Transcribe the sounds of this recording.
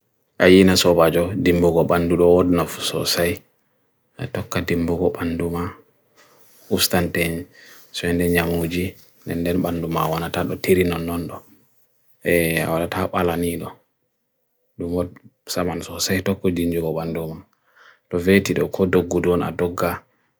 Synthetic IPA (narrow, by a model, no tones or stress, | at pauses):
ʔajinasɔbad͡ʒɔdimbuɡɔɓanduɗɔwɔdnafu̥sɔ̰saj | a̰tɔkːadimbuɡɔɓanduma | ustanteɲi | sɔɛndɛɲamud͡ʒi | ndɛ̰ndɛnɓandumawanataɗɔtiɾinɔnːɔnɗɔ | ɛa̰walatʰaɓalaniɗɔ | ɗumwɔdsamansɔsajtɔkːɔd͡ʒiɲd͡ʒuɡɔɓanduma | tɔvetiɗɔkʰɔdoɡːuduɔna̰dɔɡːa